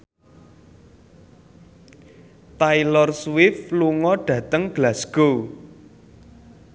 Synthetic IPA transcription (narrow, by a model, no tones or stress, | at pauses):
t̪ailɔrswɪfluŋɔɖ̥ä̤t̪əŋɡ̥lasɡ̥o